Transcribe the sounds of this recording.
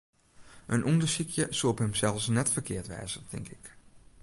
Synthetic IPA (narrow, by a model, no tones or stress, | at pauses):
ʔənʔundəsikʰjəsuɔphəmsɛlˠfsnɛtfərkʰɪəɹtʋɛ̰ːzətʰɪŋkɪk